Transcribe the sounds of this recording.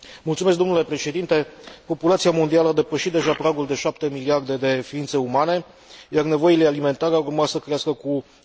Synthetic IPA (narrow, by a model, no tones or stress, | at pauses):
mult̪sumesk̚d̪omnule̞pɾe̞ʃe̞d̪int̪e̞po̞pulat̪siamo̞nd̪ialəad̪e̞pəʃit̪d̪e̞ʒapɾaɡuld̪e̞ʃapt̪e̞miliard̪e̞d̪e̞fiint̪se̞umane̞ | jarne̞vo̞ile̞alime̞nt̪aɾeaurmasəkɾeaskəku